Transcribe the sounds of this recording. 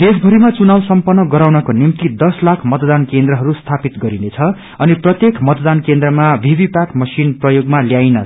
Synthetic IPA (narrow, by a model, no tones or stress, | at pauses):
d̪ed͡zbʱʌɾimat͡sunawsʌmpʌnːʌɡʌɾawnʌkonimt̪id̪ʌslakʰmʌt̪d̪ankend̪rʌɦʌɾust̪ʰapit̪ɡʌɾinet͡sʰʌ | ʌniprʌt̪jekʰmʌt̪d̪ankẽnd̪rʌmabʱibʱipaʈmʌsinprʌjoɡmaljajnʌ